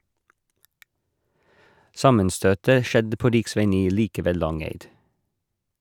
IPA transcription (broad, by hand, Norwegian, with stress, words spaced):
ˈsɑmənˌstøːtə ˈʃɛdə ˈpoː ˈɾɪkˌsʋæɪ ˈniː ˈliːkə ˈʋeː ˈlɑŋæɪd